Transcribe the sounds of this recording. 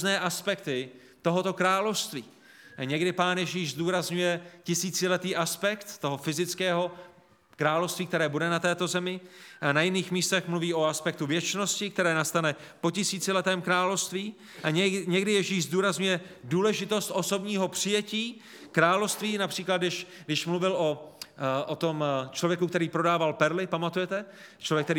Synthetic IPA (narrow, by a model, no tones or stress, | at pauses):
znɛːʔaspɛk̚t̪ɪ | t̪o̞ɦo̞t̪o̞kɾaːlo̞fst̪viː | ɲɛɡdɪpaːnjɛʒiːʃzd̪uːɾazɲujɛcɪsiːt͡sɪlɛt̪iːʔaspɛkt̪ːo̞ɦo̞fɪzɪt͡skɛːɦo̞ | kɾaːlofst̪viːk̚t̪ɛɾɛːbudɛnat̪ɛːt̪o̞zɛmɪʔanajɪniːxmiːst̪ɛxmluviːʔo̞aspɛk̚t̪uvjɛt͡ʃno̞scɪkt̪ɛɾɛːnast̪anɛ | po̞cɪsiːt͡sɪlɛt̪ɛːmkɾaːlo̞fst̪viː | ʔaɲɛɲɛɡdɪjɛʒiːʃzduːɾazɲujɛduːlɛʒɪt̪o̞st̪ʔo̞so̞bɲiːɦo̞pr̝̥ɪjɛciː | kɾaːlofst̪viːnapr̥iːklat̪ɡdɪʃ | ɡdɪʃmluvɪlʔo̞ | ʔot̪o̞mt͡ʃlo̞vjɛkukt̪ɛɾiːpɾo̞daːvalpɛɾlɪpamat̪ujɛt̪ɛt͡ʃlovjɛkt̪ɛɾiː